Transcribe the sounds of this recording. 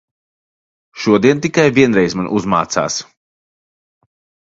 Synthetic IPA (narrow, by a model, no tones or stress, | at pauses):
ʃuɔd̪iɛnt̪ikajviɛnɾɛjzmanʔuzma̰ːt̪sa̰ːs